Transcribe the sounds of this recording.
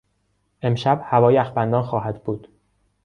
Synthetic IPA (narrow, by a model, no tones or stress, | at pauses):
ʔe̞mʃæbhævɒːjæxbænd̪ɒːnxɒːɦæd̪buːd̪̥